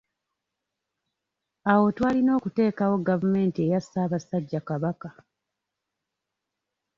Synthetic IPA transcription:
awo̞twaːlino̞ːkute̞ːkawo̞ɡavume̞ːntiejasːaːβasaɟːakaβaka

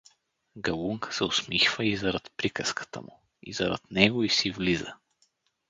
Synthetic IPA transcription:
ɡɐluŋkʰə̥sɛʊsmixvəizɐɾat̪pɾikəskʰə̥t̪ə̰mṵ | ḭzɐɾa̰t̪nɛɡoisivlizə

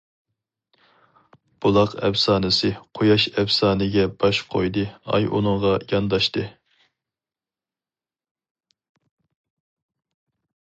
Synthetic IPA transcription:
b̥ulˠɑqɛvsɑːnɨsɨqʰojɑʃɛvsɑːnɨɡʲɛb̥ɑʃqʰojd̪ɨɑ̰jṵnɨŋʁɑjɑnd̪ɑʃt̪ɨ

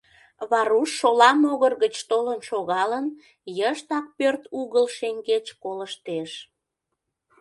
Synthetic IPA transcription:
βɑɾuʃːolɑmoɣərɣət͡ɕt̪olənʃoɣɑlən | jəʃt̪ɑk̚pørt̪uɣəlʃeŋɡet͡ɕkoləʃt̪eʃ

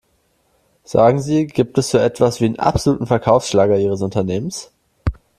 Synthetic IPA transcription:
z̥a̰ːɡŋ̩ziːɡiːp̚tɛsz̥oːʔɛtv̥asv̥iːdənʔa̰pz̥oluːtn̩fɛɐkʰaʊfsʃlaːɡɐiːʁ̞əsʊntɐneːməns

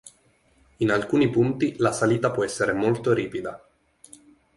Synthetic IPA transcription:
inalkuːnipunt̪ilasaliːt̪apwɔɛsːeɾemolt̪oɾiːpid̪a

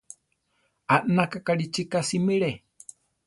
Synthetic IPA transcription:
anakakaɽit͡ʃikasimiɺe

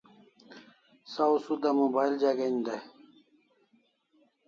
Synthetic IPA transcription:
sausud̪amobajld͡ʑaɡɐnd̪a

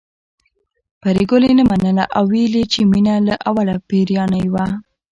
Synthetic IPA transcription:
paɾeɡolenamanəlaʔawːelit͡ʃeminalaʔawalapeɾjɑnəjwa

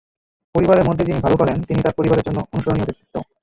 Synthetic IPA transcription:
poɾibaɾeɾmod̪ʱːed͡ʑinibʱalokɔlent̪init̪aɾpoɾibaɾeɾd͡ʑonːoonuʃoɾoniobit̪ʰːi̥t̪ːo

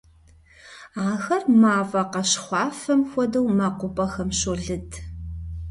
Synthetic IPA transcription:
aːɣɐrmaːvɐqɐɕχʷɑːfɐmxʷɔdɐwmaːqʷʊbɐxɐmɕoɮɨdʰ

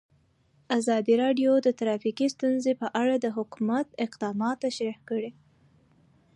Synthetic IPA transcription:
azɑd̪iɾɑɖjod̪ət̪ɾɑfiqist̪unzepəʔaɽad̪əɦʊkumat̪ɪqd̪ɑmɑt̪ːaʃɾihkəɽe

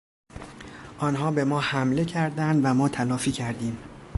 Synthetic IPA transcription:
ʔɒːnɦɒːbe̞mɒːhæmle̞cʰæɾd̪ænd̪væmɒːt̪ʰælɒːfiːcʰæɾd̪iːm

